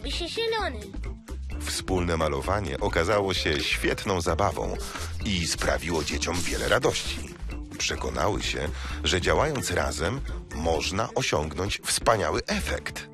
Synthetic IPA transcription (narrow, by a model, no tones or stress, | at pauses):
bɘɕɛɕɛlɔnɛ | fspulnɛmalɔvaɲɛ̰ʔɔkazawɔɕɛɕfʲjɛt̪nɔ̃w̃zabavɔ̰̃w̃ispɾa̰vʲiwɔd͡ʑet͡ɕɔmvʲjɛlɛ̰ɾʔad̪ɔɕt͡ɕḭ | pʂɛkɔna̰wɘ̰ɕɛ̰ʐɛd͡ʑawajɔnt̪sɾa̰zɛmːɔʐnaʔɔɕɔŋɡnɔɲt͡ɕfspaɲawɘʔɛfɛ̰kt̪